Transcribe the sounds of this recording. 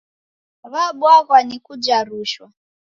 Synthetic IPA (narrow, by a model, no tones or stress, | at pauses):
βaɓwaɣwanikud͡ʒaɾuʃwa